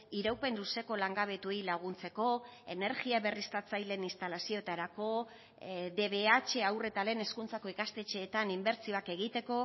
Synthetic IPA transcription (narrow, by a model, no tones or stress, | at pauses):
iɾawpe̞nluse̞ko̞laŋɡaβ̞e̞t̪uilaɣ̞unt͡se̞ko̞e̞ne̞ɾɣiaβe̞rist̪at͡sajle̞nist̪alasio̞et̪aɾako̞ | de̞βe̞at͡ʃe̞awre̞t̪ale̞ːne̞skunt͡sako̞ikast̪e̞t͡ʃeːt̪animbe̞ɾt͡sio̞ake̞ɣ̞it̪e̞ko̞